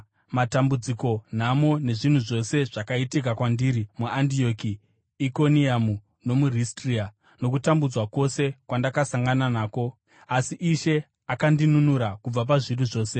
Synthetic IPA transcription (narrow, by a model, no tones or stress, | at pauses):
matambud͡ziko̞n̤amone̞ʐin̤uʐo̞se̞ʐ̥akaitik̬akwandiːɾimuandio̞kiː | ko̞niamu | no̞muristria | no̞k̬utambud͡zwako̞se̞kwandakasaŋɡananaːko̞ | asiʔiʃe̞ | akandinunuɾakub͡vap̬aʐiruʐo̞ːse̞